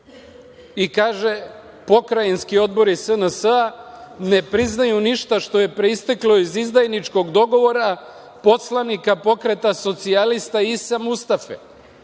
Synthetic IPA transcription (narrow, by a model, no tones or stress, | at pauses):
ikaːʒe̞ | po̞kɾajenskio̞d̪bo̞ɾisənəsəane̞pɾiznajuniʃt̪aʃt̪o̞je̞pɾeist̪eklo̞izizd̪ajnit͡ʃko̞ɡd̪o̞ɡo̞ʋo̞ɾa | po̞slˠanikapo̞kɾe̞t̪aso̞t̪sialist̪aisamust̪afḛ